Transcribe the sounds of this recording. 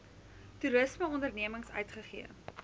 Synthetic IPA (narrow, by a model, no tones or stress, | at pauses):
tuɾəsməɔndərniəməŋsœ̰ɥtχəχḭə